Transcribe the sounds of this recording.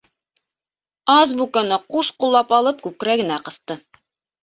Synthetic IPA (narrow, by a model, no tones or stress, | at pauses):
ɑzbukɑnɤquʃqulˠːɑpɑlˠɤp̚kʉkɾæɡɘ̆næqɤ̆θt̪ɤ